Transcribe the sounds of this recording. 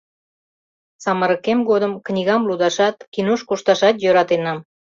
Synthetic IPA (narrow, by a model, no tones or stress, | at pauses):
sɑməɾəkemɡod̪əmknʲiɣɑmlud̪ɑʃɑt̪kinuʃkuʃt̪ɑʃɑt̪jøɾɑt̪enɑm